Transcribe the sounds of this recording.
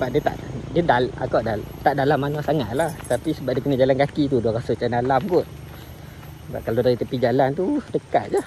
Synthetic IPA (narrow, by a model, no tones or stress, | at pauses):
səbaʔ̚diət̪a̰ʔdiədaa̰kaʔdat̪aʔdalamːanasaŋat̪̚laht̪apisəbaʔ̚diəkənəd͡ʒalankakit̪̬uduakasʊst͡ʃandalamɡʊt̪̚ | ba̰ʔkaladaɾit̪əpid͡ʒalant̪udəka̰t̪̚d͡ʒa